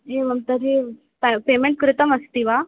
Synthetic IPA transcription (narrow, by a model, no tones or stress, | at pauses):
eʋəmt̪əɾi | ppemeɳʈ̚kɾɪt̪əməst̪iːʋa